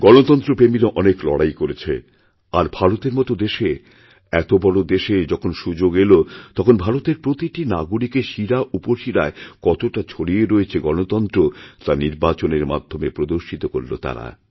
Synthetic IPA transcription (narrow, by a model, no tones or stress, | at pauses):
ɡɔnot̪ɔnt̪ɾopɾemiɾaʔɔneklɔ̰ɽajkoɾet͡ɕʰḛ | aɾbʱaɾot̪eɾmɔt̪od̪eʃe | ɛt̪obɔɽod̪eʃed͡ʑɔkʰonʃud͡ʑoɡelot̪ɔkʰonbʱaɾot̪eɾpɾot̪iʈinaɡuɽikeʃiɾaʔupoʃiɾaekɔt̪oʈat͡ɕʰoɽieɾoet͡ɕʰeɡɔnot̪ɔnt̪ɾot̪aniɾbat͡ɕoneɾma̰d̪ʱːomepɾod̪oɾʃit̪okoɾlo̰t̪a̰ɾa̰